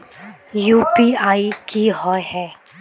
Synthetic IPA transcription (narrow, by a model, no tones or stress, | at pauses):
jupiaːikiɦɔeɦɛ